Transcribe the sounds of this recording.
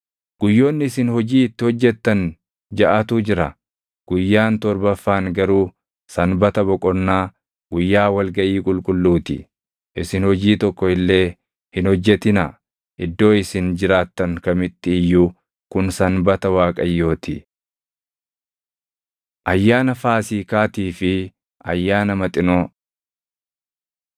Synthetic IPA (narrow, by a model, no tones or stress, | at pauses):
ɡ̥ʊjːo̞ːnːɪɪsɪnhɔd͡ʒiːɪt̪ːɪhɔd͡ʒːɛt̪ːɐn | d͡ʒɐʔat̪uːd͡ʒɪɾɐ̰ | ɡ̥ʊjːaːnt̪ɔɾbɐfːaːŋɡɐɾuː | sɐnbɐt̪ɐbɔkʼɔnːaː | ɡʊjːaːwɐlɡɐʔiːkʼʊlkʼʊlːuːt̪ɪ̰ | ʔɪsɪnhɔd͡ʒiːt̪ɔkːɔɪlːe̞ː | hɪnhɔd͡ʒːɛt̪ɪnɐ | ʔɪd̪ːo̞ːɪsɪnd͡ʒɪɾaːt̪ːɐŋkɐmɪt̪ːɪɪjːu | kʊnsɐnbɐt̪ɐwaːkʼɐjːo̞ːt̪ɪ | ʔɐjːaːnɐfaːsiːkaːt̪iːfɪ | ɐjːaːnɐmɐt̪ʼɪnoː